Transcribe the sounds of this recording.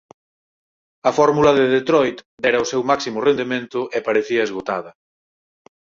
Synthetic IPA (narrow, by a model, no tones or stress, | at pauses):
ɐfɔɾmulɐðeðet̪ɾɔjt̪d̪ɛɾɐʊsewmaksimʊrend̪emẽnt̪ʊʔepaɾeθiɐezɣot̪a̰ðɐ